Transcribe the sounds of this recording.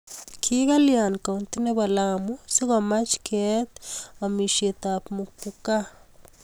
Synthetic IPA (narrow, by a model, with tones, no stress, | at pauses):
kʰi˦ɡa˦lja˨nka˨nt̪i˦ne˦ba˨lamu˦si˦ɣa˨ma˦t͡ʃkʰe˦t̪a˨mi˨ʃe˧t̪a˨pmu˨k̚puka˦